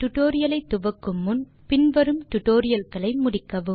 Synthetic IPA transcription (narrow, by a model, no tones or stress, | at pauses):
ʈ̪ʊʈoːɾɪjɐlɐɪt̪ːʊʋɐkːɯmːʊn | pɪnʋɐɾɯmʈ̪ʊʈːoːɾɪjɐlɣɐɭɐɪmʊɽɪkːɐʋɯm